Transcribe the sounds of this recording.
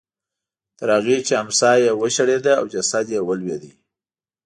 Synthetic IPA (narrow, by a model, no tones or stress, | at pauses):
t̪əɾaɣit͡ʃeamsɑjewəʃaɽed̪aːwd͡ʒasad̪jewəlwed̪i